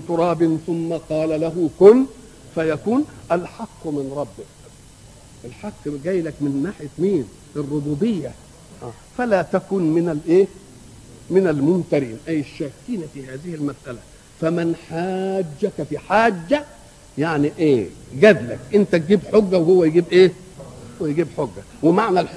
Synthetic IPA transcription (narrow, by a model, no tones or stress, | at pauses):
t̪ʊɾˤɑːbɪnθʊmːaqɑːlalaɦʊkʊn | fajakuːnʔalħaqːmɪnɾˤɑbːɪk | ʔɪlħaqːbɡæːjlakmɪnːaːħjat̪miːn | ɪrˤːʊbuːbɪjːa | ha̰ː | falat̪akʊnmɪnalʔeː | mɪnælmʊmt̪ɑɾḭːnʔæjːɪʃːæːkːiːnifiːhaːzɪhɪlmæsʔælæ | fæmɪnħaːd͡ʒːækæfiħaːd͡ʒːæ | jaʕniʔeːɡæd̪læ̰kʔɪnt̪æt̪̚ɡiːbħoɡːæwhowːæjɡiːbʔeː | hwːæjɡiːbħoɡːæ | wɪmaʕnæl